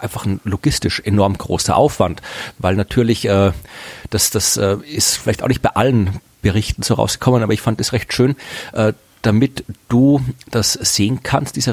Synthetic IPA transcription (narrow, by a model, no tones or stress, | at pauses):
ʔaɪnfaχn̩loɡ̥ɪstɪʃʔenɔɐmɡ̥ʁo̰ːsɐ̰ʔa̰ʊfv̥antvaɪlnatʰyːɐlɪçəːd̥asd̥asəːɪstfɪlaɪçtaʊχnɪçt̚b̥aɪʔalən | b̥əʁɪçtn̩soːʁa̰ʊsɡ̥ɪ̥kʰɔmənʔaːbɐɪçfandasʁɛçtʃøːnʔəː | d̥amɪtd̥uːd̥asz̥eːənkʰanstd̥iːzə